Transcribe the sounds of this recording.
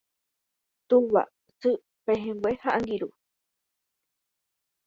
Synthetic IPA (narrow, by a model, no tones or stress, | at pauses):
t̪uwa̰ | sɨ | peɦẽŋɡwehaʔaŋɡiɾu